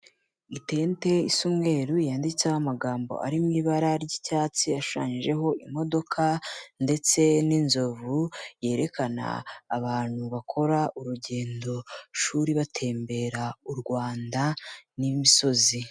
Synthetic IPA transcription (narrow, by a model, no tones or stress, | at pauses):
ite̞ːnte̞isumŋe̞ːɾujaːndit͡sahamaɡaːmbo̞̰ʔa̰ɾimŋiːβaɾaɾɟicaːt͡siaʃu̥ʃa̰ːɲiʒe̞ɦo̞ʔimo̞do̞kʰande̞t͡se̞ninzo̞vuje̞ːɾe̞kana̰ːβaːn̥huβakʰo̞ɾaʔuɾuɟe̞ːndo̞ʃuːɾiβatʰe̞ːmbe̞ɾauɾɡwaːndanimiso̞zi